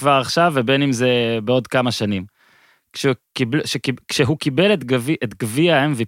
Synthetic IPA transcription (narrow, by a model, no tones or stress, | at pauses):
vaʁaχʃavebe̞nimzebeo̞d̪kamaʃanim | kʃekiblʃekikʃeɦukibeletɡviʔet̪ɡviaemvi